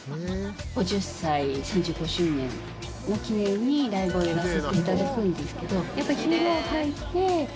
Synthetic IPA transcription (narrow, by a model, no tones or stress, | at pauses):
ɡ̥o̞d͡ʑɨsaisãɲ̟d͡ʑɨːɡo̞ɕɨːnẽ̞ŋ | okʲinẽ̞ɲ̟ːiɾaibojoɡasɨt̪ːeit̪ad̪akɯ̟̃nd̪e̞sɨ̥ke̞d̪o̞japːaɾʲiçʲiɾoːkait̪e̞